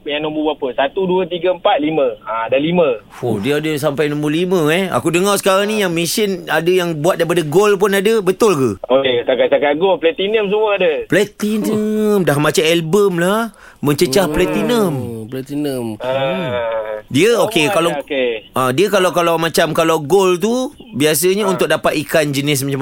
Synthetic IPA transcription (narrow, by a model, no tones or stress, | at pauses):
jaŋnõmbuwapəsat̪uduət̪iɡəəmpat̪̚limə̃aadalimə̃odiəadəs̬ampajnɔ̃mbulimə̃ɛha̰kudəŋarsə̥kaɾaŋnijaŋmĩsənadəjaŋbuat̪̚daipadaɡolp̬ʊnadəbət̪ʊlkəokesakaʔ̚sakaɡolplɛt̪inəms̬əmuəadəplɛt̪int̪inəmdaɦmat͡ʃaɛlbəmlah | mə̃ɲt͡ʃət͡ʃahplɛt̪inəmplɛt̪inəm | diəokekalakeʔãdiəkalawkalawmãt͡ʃamkalawɡolt̪̬ubias̬əɲaunt̪ʊk̚dapat̪̚ikand͡ʒənɪs̬mat͡ʃam